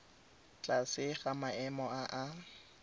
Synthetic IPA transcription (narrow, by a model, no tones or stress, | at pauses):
t͡ɬʼasɪɣamaɛmɔaʔa